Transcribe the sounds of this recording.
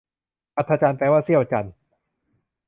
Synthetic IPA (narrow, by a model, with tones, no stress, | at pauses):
ʔa˧t̪ʰːa˧t͡ɕaː˧npaː˧waː˥˩si˥˩əwt͡ɕa˧n